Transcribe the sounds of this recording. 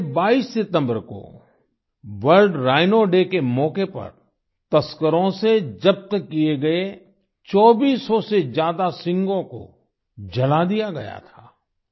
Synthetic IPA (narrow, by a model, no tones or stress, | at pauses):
baːiːsːɪt̪ə̃mbəɾko̰ | ʋəlɖɾaːɪnoɖekemɔːkepɐ̰ɾ | t̪ɐskəɾõsed͡ʒɐp̚t̪kijeɡɐe | t͡ʃɔːbiːsɔsezjaːd̪asɪ̃ŋɡõko̰ | d͡ʒɐlad̪ijaɡɐ̰ja̰t̪ʰaː